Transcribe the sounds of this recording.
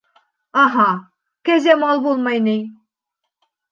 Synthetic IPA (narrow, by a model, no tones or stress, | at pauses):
ɑɦɑ | kæzæmɑlˠbolˠmɑjnej